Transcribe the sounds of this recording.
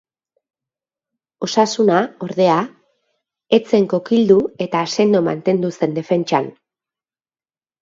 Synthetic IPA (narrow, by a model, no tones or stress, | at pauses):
o̞sasunao̞ɾðe̞a | e̞t͡se̞ŋko̞kild̪ue̞t̪aːse̞nd̪oma̰nt̪e̞nd̪use̞nd̪e̞fe̞nt͡ʃan